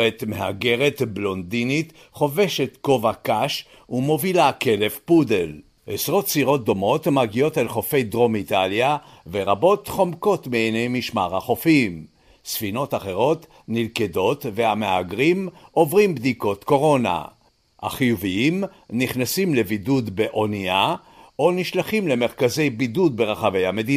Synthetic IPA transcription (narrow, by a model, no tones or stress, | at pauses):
et̪mehaɡe̞ʁe̞t̪blo̞nd̪init̪ | χo̞ve̞ʃe̞t̪ko̞vakaʃ | umo̞vilake̞le̞fpudel | ʔesʁot̪siʁo̞t̪̚d̪o̞mo̞t̪maɡio̞t̪elχo̞fe̞jd̪ʁo̞mit̪alja | ve̞ʁabo̞t̪χo̞mko̞t̪meejne̞jmiʃmaʁhaχo̞fim | sfino̞t̪aχe̞ʁo̞t̪ | nilkedo̞t̪vehameaɡʁimʔo̞vʁimbd̪iko̞t̪ko̞ʁo̞na̰ | ha̰χijuviim | niχnasimle̞vidud̪be̞ʔo̞nia | o̞niʃlaχimle̞me̞ʁkaze̞jbidud̪̚be̞ʁaχave̞jhame̞d̪i